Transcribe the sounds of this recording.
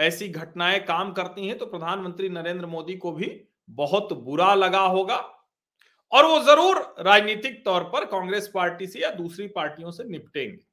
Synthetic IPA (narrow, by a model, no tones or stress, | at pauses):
ɛːsiɡʱɐʈnaːẽkaːmkɐɾt̪iɦɛ̃t̪opɾɐd̪ʱaːnmə̃nt̪ɾinɐɾẽːnd̪ɾəmoːd̪ikobʱi | bɐɦʊt̪bʊɾalɐɡaɦoːɡaː | ɔːɾʋozɐɾuːɾɾaːd͡ʒniːt̪ɪk̚t̪ɔːɾpɐɾkãːŋɡɾeːspaːɾʈisejad̪uːsɾipaːɾʈijõsenɪpʈḛ̃ːŋɡeː